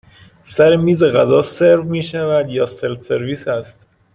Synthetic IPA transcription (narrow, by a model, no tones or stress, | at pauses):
sæɾemiːzeɣæzɒːse̞ɾvmiːʃævæd̪jɒːselse̞ɾviːsæst̪